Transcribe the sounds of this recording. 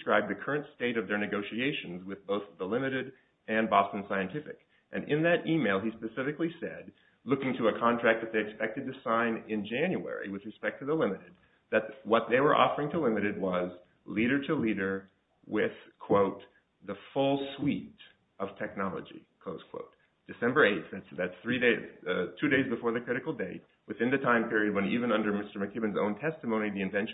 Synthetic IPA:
dskɹaɪb̚ðɨkʰɜ˞ɨ̃ntsteɪɾʌvðə˞nɨɡoʊʃieɪʃɨ̃n̩zwɨðboʊθðəlɪ̃mɨɾɪɾ | ɨ̃nbɑstn̩saɪɨ̃ntʰɪfɨ̰k | ʔɨ̃nʔɪ̃nðɨɾʔimeɪlˠispɨsɪfɨklisɛ̰d̚ | lʊkɪ̃ŋtʰɨəkʰɑ̃ntʰɹ̥æk̚ðɨt̪̚ðeɪɨkspɛk̚tɨd̚tɨsãɪ̃nɪ̃nd͡ʒæ̃njʉɛ̰ɹḭwɨðɹɨspɛk̚tʰɨðəlɪ̃mɨɾɨd̪̚ | ðɨt̪̚wʌt̪̚ðeɪwə˞ʔɔ̰fə˞ɪ̃ŋtʰəlɪ̃mɨɾɨd̚wʌz | liɾə˞ɾəliɾə˞ | wɪð̥kʰw̥oʊt̪̚ | ðəfʊlˠswiɾ | ʌv̥tʰɛk̚nɑlˠə̰d͡ʒḭkʰl̥oʊz̥kʰw̥o̰ʊt̚ | d̥ɨsɛ̃mbə˞eɪt̪̚θðætsðætsθɹieɪtʰʉɾeɪzbɨfɔɹðɨkʰɹ̥ɪɾɨkl̩ˠdeɪt̚ | wɨθɪ̃nðɨtʰãɪ̃mpʰɪɹiɨd̚wə̃nivɨ̃nʌ̃ndə˞mɪstə˞mɨkʰɪbɨ̃nzõ̰ʊ̃ntʰɛstɨmõʊ̃niðiɨ̃ɱvɛ̃nʃ

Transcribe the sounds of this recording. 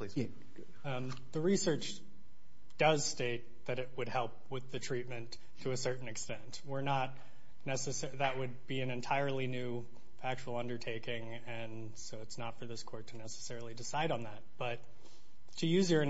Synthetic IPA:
li | ðɨɹisɜ˞t͡ʃ | d̥ʌz̥steɪt̪̚ðɨɾɨt̚wɨd̚hɛlˠp̚wɨðɨtʰɹ̥it̚mɨ̃ntʰɨːsɜ˞ʔn̩ɨkstɛ̃ntwɪɹnət̚ⁿ | nɛsɨs | ðɨʔ̚wɨd̚biɨ̃nɨ̃ntʰaɪə˞lˠinʉ | fæk̚t͡ʃul̩ˠʌ̃ndə˞tʰeɪkɪ̃ŋ | ɨ̃n | soʊɨtsnətfə˞ðɪskʰɔɹtʰɨnɛsə̥sɛɹl̩ˠidɨsaɪɾn̩ðæt̚b̥ʌt̚ʰ | ɨjʉzjə˞ɨ̃

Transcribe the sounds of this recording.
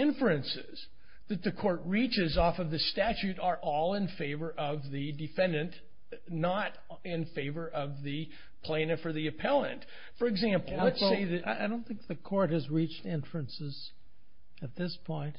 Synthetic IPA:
ɪ̃ɱfɨɨ̃nsɪ̰z̥ | ðɨt̪̚ðɨkʰɔɹt̚ɹit͡ʃɪzɔfʌvðɨstæt͡ʃʉɾə˞ʔɔlˠɪ̃nfeɪvə˞ʔʌvðɨdɨfɛ̃ndɨ̃n | nəɾ | ɪ̃nfeɪvə˞ʔʌvðɨ | pʰl̥ẽɪ̃nɨfə˞ðiɨpʰɛlˠə̰̃nt | fə˞ɨɡzæ̃mpl̩ˠətseɪðɨaɪʔaɪdõʊ̃nθɪ̃ŋk̚ðɨkʰɔɹt̚hɨzɹit͡ʃtɪ̃ɱfɹɨ̃nsɪz | ɨt̪̚ðɪspʰɔ̃ɪ̃nt

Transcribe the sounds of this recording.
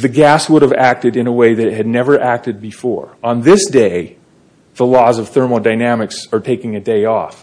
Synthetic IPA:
ðɨɡæswʊɾɨvæk̚tɨɾɨ̃ñəweɪðɨɾɨt̚ɦɨdⁿnɛvə˞ʔæk̚tɨd̚bɨfɔ̰ɹə̃nðɪsd̥eɪ | ðəlɔzʌv̥θɜ˞ml̩ˠdaɪnæmɨksə˞tʰeɪkɪ̃ŋɨdeɪɔ̰f

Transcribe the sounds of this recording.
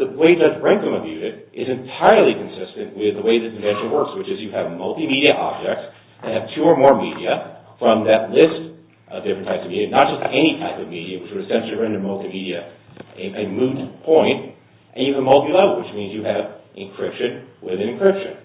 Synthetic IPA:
ðɨweɪdʌzɹɛ̃ŋkɨ̃mɨbjʉɾɪɾʔɪzɨ̃ntʰaɪə˞lˠikɨ̃n̩sɪstɨ̃nʔwɪðəweɪðɨsn̩vɛ̃nt͡ʃə̃nwɜ˞kswɨt͡ʃɨzjɨɨvmʌlˠtimiɾiɨʔɑ̰b̚d͡ʒɛk̚ts | ɨ̃nɨv̥tʰʉə˞mɔɹmiɾiɨ | fɹʌ̃mðɨtˡlɪst | ʔʌvdɪfɹɨ̃ntʰaɪpsʌvmiɾiɨnət̚d̥ʒ̥ʌstɛñitʰaɪpʌvmiɾiɨwɨt͡ʃwɨ˞ɨsɛ̃nʃl̩ˠiɹɛ̃ndə̃˞mʌlˠtimiɾiɨ | ɨɨmʉd̚pʰɔ̃ɪ̃nt | ʔɨ̃njɨəmʌlˠtilɛvl̩ˠwɨt͡ʃmĩnzjɨɨvʔɨ̃nkʰɹ̥ɪpʃɨ̃nwɪðɨ̃nɨ̃nkʰɹ̥ɪpʃɨ̃n

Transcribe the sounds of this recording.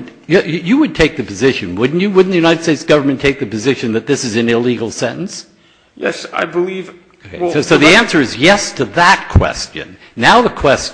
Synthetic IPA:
ɨjɨwɨd̚tʰeɪk̚ðɨpɨzɪʃɨ̃nwʊdⁿn̩t͡ʃɨwʊdⁿn̩ðɨjʉñaɪɾɨd̥steɪtsɡ̥ʌvə˞mɨ̃ntʰeɪk̚ðɨpɨzɪʃɨ̃nðɨt̪̚ðɪsɨzɨ̃nɪliɡl̩ˠsɛ̃ʔn̩s | jɛ̰sa̰ɪbəliv | soʊðiæ̃nsə˞ɨzjɛstʰɨðət̚kʰw̥ɛ̰st͡ʃɨ̰̃nːaʊðəkʰw̥ɛs

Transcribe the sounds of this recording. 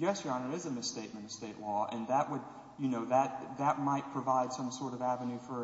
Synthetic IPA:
jʉɛsjɑ̃nə˞ɨzɨmɨsteɪt̚mɨ̃nʌ̥steɪʔlɔɨ̰̃nðəʔwəd̚ | jɨnoʊðɨt̪̚ðɨt̚maɪt̚pʰɹ̥ɨvaɪd̥sʌ̃msɔɹɾʌvævɨnʉfə˞

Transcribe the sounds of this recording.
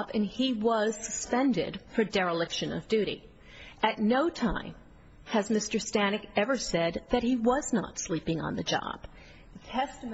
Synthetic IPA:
bɨ̃niwʌz̥sɨ̥spɛ̃ndɪ̰d̥fə˞dɛɹəlɪkʃɨ̃nʌ̰vdʉɾḭ | ʔɨtⁿnoʊtʰãɪ̃m | ɨzmɪstə˞stænɨkɛvə˞sɛd̪̚ðɨt̚hiwʌznə̰tslipɪ̃ŋə̰̃nðɨd͡ʒɑ̰b̥ | ɨtʰɛstɨm

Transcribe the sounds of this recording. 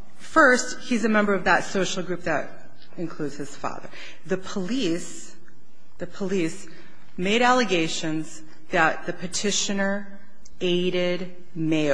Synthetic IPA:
fɜ˞sthizɨmɛ̃mbə˞ʌvðətsoʊʃl̩ˠɡɹʉp̚ðɨɾ | ɨ̃nkʰl̥ʉdz̥hɨz̥fɑ̰ðə̰˞ | ðɨpʰəlis | ðɨpʰəlis | meɪɾælˠɨɡeɪʃɨ̃nz | ðɨt̪̚ðɨpʰɨtʰɪʃɨ̃nə˞ | eɪɾɪd̚ | meɪ

